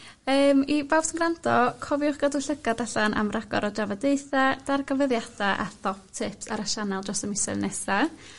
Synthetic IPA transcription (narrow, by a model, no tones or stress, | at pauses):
əːmibawsənɡrantʰɔkʰɔvjʊχɡ̥adʊɬəɡadaɬanʔa̰mraɡɔ̰ɾɔdavadeɨθad̥arɡəvəðjad̥aʔa̰θɔp̚tʰɪpsa̰ɾaʃanɛlˠd͡ʒɔstəmɪsɛ̰nɛsra